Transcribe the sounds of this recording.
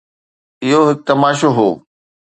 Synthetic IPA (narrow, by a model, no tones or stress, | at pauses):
ɪɦoɦɪk̚t̪ɐmaːʃoɦoː